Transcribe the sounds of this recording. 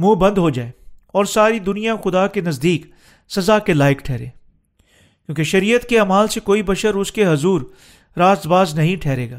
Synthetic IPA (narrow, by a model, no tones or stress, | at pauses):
mũːbɐ̃nd̪ɦod͡ʒaːeːɔːɾsaːɾid̪ʊnijaxʊd̪akenɐzd̪iːk | sɐzakelaːɪkʈʰɛːɾḛ̃ː | kjõːkeʃɐɾiːjət̪keaːmaːlsekoːibɐʃəɾʊskeɦɐzuːɾ | ɾaːst̪baːznɐɦĩʈʰɛːɾeːɡaː